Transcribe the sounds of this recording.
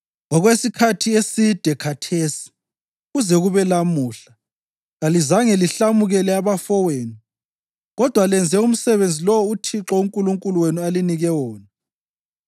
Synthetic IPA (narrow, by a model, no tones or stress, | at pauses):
ɔɣwesikʰatʰiesid̥ʱɛkʰatʰeːsi̥ | ɣuzɛɣuβɛlamuːɬa | ɣalizaŋɛliɬamuɣɛlɛaβafɔweːnu | ɣɔd̥ʱwalɛnd͡zʱɛum̩sɛβend͡zʱilɔwɔutʰiǁɔuŋkʼuluŋkʼuluwenualiniɣɛwɔːna